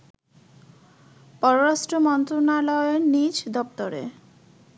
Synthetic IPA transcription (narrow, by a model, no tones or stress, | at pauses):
pɔɾoɾasʈɾomɔnt̪ɾonalɔeɾnid͡ʑd̪ɔp̚t̪oɾḛ